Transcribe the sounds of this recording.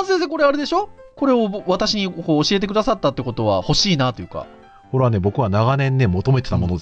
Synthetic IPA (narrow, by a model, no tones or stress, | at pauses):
ases̬eko̞ɾeaɾe̞d̪e̞ɕo̞ko̞ɾe̞o̞βat̪aɕiɲ̟iko̞ːɕie̞t̪e̞kɯd̪asat̪ːat̪ːeko̞t̪o̞βaho̞ɕiːnat̪o̞jɯ̟ka̰ | koɾeane̞bo̞kɯ̟βanaɡanẽ̞nːe̞mo̞t̪o̞me̞t̪e̞t̪amo̞nod̪e